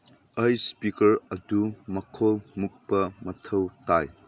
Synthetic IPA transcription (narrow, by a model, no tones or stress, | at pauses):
ɐjspikɐɾɐdumɐkʰolmuk̚pɐmɐtʰɐwtaj